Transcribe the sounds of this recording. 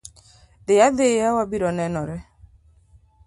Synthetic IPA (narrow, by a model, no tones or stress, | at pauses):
dɪad̪ejawabiɾɔnɛnɔɾɛ